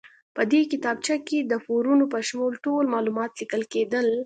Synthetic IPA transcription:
pəd̪ekɪt̪ɑb̚t͡ʃaked̪əfoɾunopəʃmulʈolmɑlumɑt̪likəlked̪əl

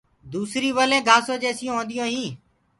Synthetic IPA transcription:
d̪uːsɾiːʋəlẽːɡaːsõːd͡ʒeːsɪjõːɦõːnd̪ɪjõːɦĩː

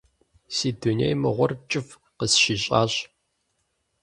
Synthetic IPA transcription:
siːdunḛjmɨʁʷɔrt͡ʃʼɪf | qəsʃiːɕʼa̰ːɕ

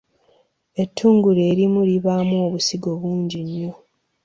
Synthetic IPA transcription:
e̞tʰːuːŋɡule̞ːɾimuliβamoβusiɡo̞βuːɲɟiɲːo̞

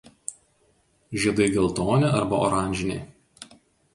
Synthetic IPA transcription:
ʒʲiɛd̪ɐɪɡʲɛlˠt̪oːnʲɛʔɐɾbɐɔ̰ɾɑˑnʲd͡ʒʲɪnʲḛɪ

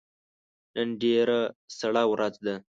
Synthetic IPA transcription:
nənɖeɾasaɽawɾʔazd̪a

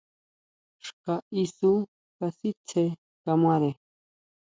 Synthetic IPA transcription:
ʃqaisu | kasit͡sʰe | kamaɾe

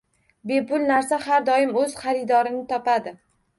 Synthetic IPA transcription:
be̞pʊlˠnaɾsahaɾd̪ɒjɪmɵz̥χɑɾɪd̪ɒɾɪnɪt̪ʰɒpad̪ɪ

